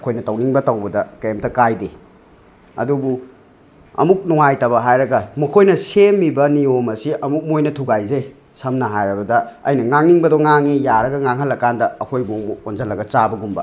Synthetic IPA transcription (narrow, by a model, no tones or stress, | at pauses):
kʰojnɐtɐwniŋbɐtɐwbɐdɐkɐjemtɐkajde | ɐ̰dubu | ɐ̰muk̚nuŋajtɐbɐɦajɾɐɡɐmɐkʰojnɐsemːibɐniomɐsiʔɐmuk̚mojnɐtʰuɡajzej | sɐmnɐɦajɾɐbɐdɐɐ̰jnɐŋaŋniŋbɐdoŋaŋijaɾɐɡɐŋaŋɦɐlːɐkːandɐːkʰojbuŋmonzɐlːɐɡɐt͡ʃabɐɡumbɐ̰